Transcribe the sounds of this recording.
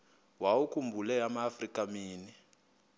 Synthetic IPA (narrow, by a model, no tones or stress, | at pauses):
waukumbʱulɛamaːfrikamiːni